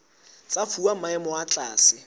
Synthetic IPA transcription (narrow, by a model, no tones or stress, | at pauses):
t͡sʼafuam̩maɪmʊat͡ɬʼa̰ːsɪ